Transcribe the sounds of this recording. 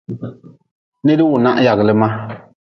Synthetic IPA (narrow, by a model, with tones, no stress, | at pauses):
ne˦di˦wʊ˨na̰˦ʔja˨ɣlɨ˦ma˦